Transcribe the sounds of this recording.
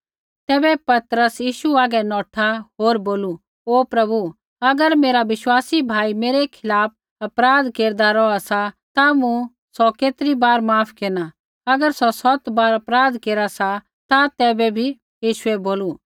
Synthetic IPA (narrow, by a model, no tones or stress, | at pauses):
t̪ɛːbɛpɐt̪ɾəsjiːʃuaːɡɛnɔːʈʰaɦoːɾboːlu | oːpɾɐbu | ɐɡəɾmeːɾaʋɪʃwaːsibʱaːimeːɾekʰɪlaːp̚ʰ | ɐpɾaːd̪keːɾd̪aɾɔasa | t̪amũ | sɔkeːt̪ɾibaːɾmaːpʰkeːna | ɐɡəɾsɔsɔt̪baːɾɐpɾaːd̪keːɾasa | t̪at̪ɛːbɛbʱi | jiːʃʊɛboːlu